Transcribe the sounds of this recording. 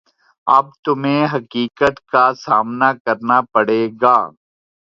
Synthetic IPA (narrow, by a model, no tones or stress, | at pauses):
ɐ̰b̚t̪ʊmẽːɦɐkiːkət̪kaːsaːmnakəɾnaːpəɽeːɡaː